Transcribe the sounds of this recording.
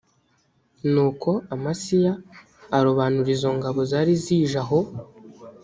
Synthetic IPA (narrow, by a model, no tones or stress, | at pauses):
nuːkʰo̞amasijaː | ɾoβanuɾizo̞ŋɡaβo̞zaɾiziːʒaɦo̞